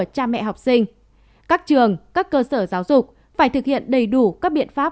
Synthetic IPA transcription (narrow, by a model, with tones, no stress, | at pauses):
ət͡ɕaː˧mɛ̰˧˨ɦa˨˩wk͡p̚si˧ŋ̟ | kaː˦˥k̚t͡ɕɨ˨˩əŋkaː˦˥kːəː˧səː˧˩zaː˨˦wzʊ˨˩k͡p̚ | faː˧˩jt̪ɨ˨˩k̚hḭ˧˨ənɗə˨˩jɗu˧˩kaː˦˥k̚ɓḭ˧˨ənfaː˦˥